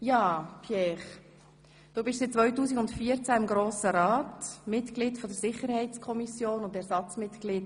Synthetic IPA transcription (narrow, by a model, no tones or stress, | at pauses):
jaːpʰjɛːχ | d̥uːbɪʃsɪt͡sʋɔʏtuːsiɡʊntfiːəɾt͡sæɪmɡɾoːsəɾaːtmɪtklɪːdfɔdəɾsɪχəɾhɛɪt͡skʰɔmisjoːnʊndɛɾsɑt͡smɪtkliːt